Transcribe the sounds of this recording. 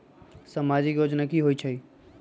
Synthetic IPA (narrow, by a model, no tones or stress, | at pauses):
səmad͡ʒikjoːd͡ʒnakiɦoit͡ʃʰəi